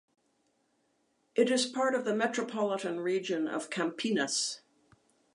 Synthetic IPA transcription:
ʔɨɾɨz̥pʰɑɹɾʌvðɨmɛt͡ʃɹ̥əpʰɑlˠəɾɨ̃nɹid͡ʒɨ̃nʌ̰v̥kʰæ̃mpʰinɨs

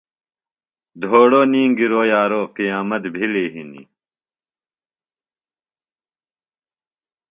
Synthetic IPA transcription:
d̪ʱoːɽoːniːŋɡiɾoːjaːɾoːqijaːmɐt̪bʱileːɦinḭ

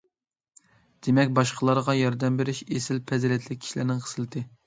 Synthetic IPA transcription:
d̪̥emɛkʲbɑʃqʰəlˠɑɾʁɑjɑɾd̪ɛmbeɾɪʃesɪlpʰɛzɾɛt̪ʰlɪk̚ʲʰːi̥ʃilæɾnɪŋqʰə̥sɨlˠɨt̪ʰɨ

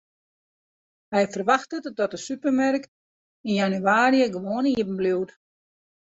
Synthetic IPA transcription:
hɛjfərʋaxtətdɔtəsypərmɛrk | injanyaːɾijəɡəʋoːniəbm̩bliwt

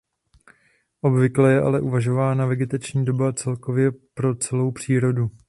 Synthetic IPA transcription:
ʔo̞bvɪklɛjɛʔa̰lɛʔuvaʒo̞vaːnavɛɡɪt̪at͡ʃɲiːdo̞bat͡sɛlko̞vjɛpɾo̞t͡sɛlo̞wpr̝̥iːɾo̞du

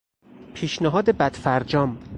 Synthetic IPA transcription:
pʰiːʃnæɦɒːd̪ebæd̪̥fæɾd͡ʒɒːm

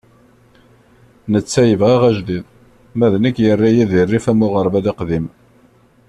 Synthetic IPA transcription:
nət͡sːæjəvʁæʁæʒd̪ið | mæðnəkːjərːæjiðirːifæmʊʁəɾˤvæd̪æqðim

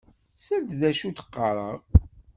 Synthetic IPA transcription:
sæld̪ðæʃut̪ə̥qːɑɾˤə̰ʁ

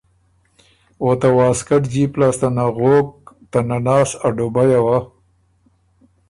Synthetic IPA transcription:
wot̪awɑːskaʈd͡ʒiplɑːst̪anaɣok̚t̪ananɑːsaɖobajawa

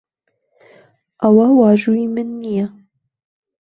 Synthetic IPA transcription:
awawɑːʒuimɨnːija

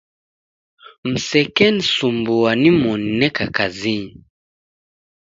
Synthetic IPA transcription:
m̩sɛkɛnisumbuwanimɔnnɛkakaziɲi

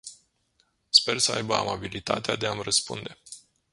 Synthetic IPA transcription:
spe̞rsəajbəa̰mabilit̪a̰t̪ead̪e̞amrəspṵnd̪e̞

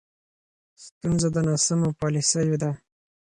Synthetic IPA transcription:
st̪unzad̪ənɑsamopɑlisəjod̪a

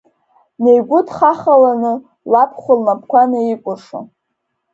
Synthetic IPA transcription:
ne̞jɡʷʊtʰʼχaχalanɨ | lapʰχʷʊlmapʰkʷʰanɨikʷʼʊʂo̰

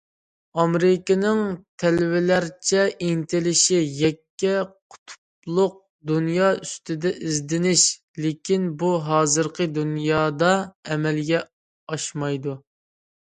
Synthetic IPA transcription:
ɑmɾɪkʲɪnɪŋt̪ʰɛlɪwɪlæɾt͡ʃʰɛʔint̪ʰɪlɪʃijɛkʲːɛqʰʊ̥t̪ʰu̥p̚ | lˠʊq̚ | d̪unjɑːyst̪ɪd̪ɛʔizd̪ɪnɪʃ | lɪkʲʰinbuɦɑːzɨɾqʰəd̪unjɑːd̪ɑɛmɛlɡʲɛ | ɑʃmɑjd̪u

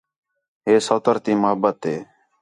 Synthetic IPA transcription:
ɦeːsəːt̪əɾt̪iːməɦəbːət̪ɦeː

